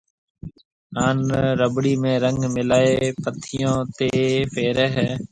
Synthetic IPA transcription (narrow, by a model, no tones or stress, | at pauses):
aːnɾəbɽiːmẽːɾəŋɡmɪlaːeːpət̪ʰɪjõːt̪eːfʰeːɾɛɦɛː